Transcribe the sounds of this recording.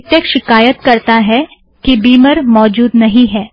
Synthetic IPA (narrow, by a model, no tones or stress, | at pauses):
t̪jəkʃɪkaːjət̪kɐɾt̪aɦɛ | kibiːməɾmɔːd͡ʒuːd̪nɐɦĩɦɛː